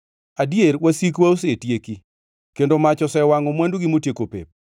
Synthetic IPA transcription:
adjeɾwasikwaosetjeki | kendomat͡ʃɔsɛwaŋomwanduɡimotjekopḛp̚

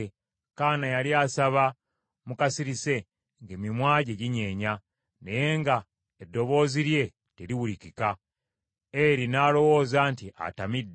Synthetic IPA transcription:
kaːnajaliaːsaβa | mukasiɾise̞ | ŋɡe̞mimwaːɟeɟiɲe̞ːɲa | ne̞je̞ŋɡa | edːo̞βo̞ːziɾje̞ | te̞ɾiwulicika | eɾinaːlo̞wo̞ːzaːntiʔa̰tamidː

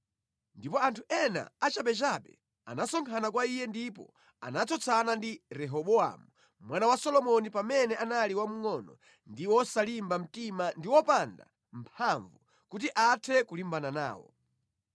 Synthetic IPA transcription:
ndipɔantʰuɛna̰at͡ʃaɓɛt͡ʃaɓɛ̰ | a̰nasɔŋkʰanakwaijɛndipɔ̰ | a̰nat͡sɔt͡sʰanandiɾɛɦɔɓɔa̰mu | mwanawasɔlɔmɔnipamɛnɛanaliwamuŋɔnɔ̰ | ndiwɔsalimbam̩timandiwɔpanda̰ | m̩pʰaɱvu | kutiʔatʰɛkulimbanana̰ːwɔ̰

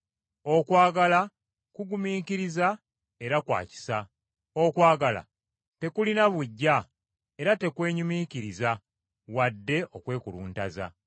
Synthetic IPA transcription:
o̞kwaːɡala | kuɡumiːkiɾiza | e̞ɾakwa̰ːci̥sa | o̞kwaːɡala̰ | te̞kulinaβuɟːa | e̞ɾate̞kwe̞ːɲumiːciɾiza | wadːe̞ʔo̞kwe̞ːkuluːnta̰za̰

